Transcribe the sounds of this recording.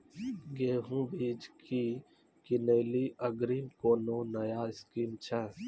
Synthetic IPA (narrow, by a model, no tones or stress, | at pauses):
ɡeːɦũːbiːd͡ʒkʰiː | kɪneːliːʔəɡɾiːmkoːnoːnɐjaːɪskiːmt͡ʃʰɛ